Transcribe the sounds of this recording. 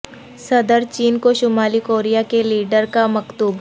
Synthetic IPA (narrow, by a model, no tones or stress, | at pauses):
sɐd̪əɾt͡ʃiːnkoʃʊmaːlikoːɾijakeliːɖəɾkamɐkt̪uːb